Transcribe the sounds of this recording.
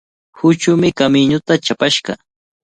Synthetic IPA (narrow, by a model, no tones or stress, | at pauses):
hʊt͡ʃʊmɪkamɪɲʊt̪at͡ʃapaʃɢɑ̰